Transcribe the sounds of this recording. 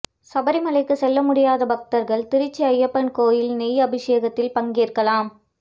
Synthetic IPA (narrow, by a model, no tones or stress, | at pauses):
sɐbɐɾɪmɐlɐɪkːɯsɛlːɐmʊɽɪjaːðɐbɐk̚t̪ɐɾɣɐɭt̪ɪɾɪt͡ʃːiɐjːɐpːɐnkoːjɪlnɛjɐbɪʂeːɣɐt̪ːɪlpɐŋɡiːrkɐlaːm